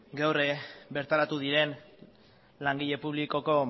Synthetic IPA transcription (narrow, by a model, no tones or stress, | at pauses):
ɡawrebe̞ɾt̪aɾat̪uðiɾe̞n | laŋɡiʎe̞puβ̞liko̞ko̞